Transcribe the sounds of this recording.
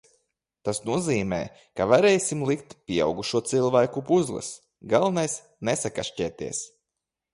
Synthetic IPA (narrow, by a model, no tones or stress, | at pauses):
t̪asnuɔziːmɛ̰ː | kavaɾɛːjsʲimlˠikt̪pʲiɛa̰wɡuʃuɔt̪silˠvæjkupuzlˠɨ̰s | ɡalˠnajs | nesakaʃcɛːt̪iɛs